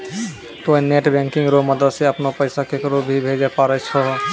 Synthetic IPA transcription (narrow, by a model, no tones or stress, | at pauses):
t̪oineʈbɛ̃ːŋkɪ̃ŋɡɾoməd̪əd̪seəpnopəɪsakekɾobʱibʱeːd͡ʒepaːɾet͡ʃʰɔɦ